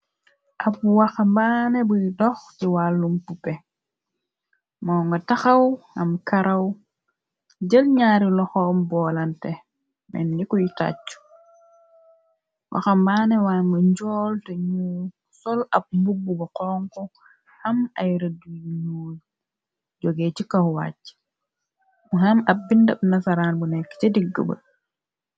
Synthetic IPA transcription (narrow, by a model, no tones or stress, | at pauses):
ʔɐp̚waxambaːnɛbujidɔxtiwalːumpupɛ | mɔːŋɡɐtaxɐwɐmkaɾɐw | ɟəlɲaːɾilɔxɔːmbɔːlantɛ | mɛ̰nːikujita̰t͡ʃːu̥ | wʔa̰xɐmbaːnɛwaːmɐɲɟɔːltɐɲu | sɔlɐb̚mbubːubɐqɔːŋkɔ | hɐmɐjɾɐduɲu | ɟɔɡeːcikɐhwa̰ːcː | muɦɐmɐbindɐb̚nɐsɐɾaːnbunɛkːt͡ʃɐdiɡːə̰bɐ̰